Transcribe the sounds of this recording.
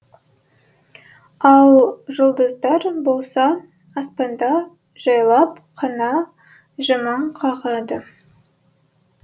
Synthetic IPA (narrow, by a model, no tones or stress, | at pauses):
ɑlˠʒʊlˠd̪əzd̪ɑɾbo̞lˠsɑː | spɑnd̪ɑ | ʒ̥ɑjlˠɑp | qʰɑnɑ | ʒɑmɑɴqʰɑʁɑd̪ə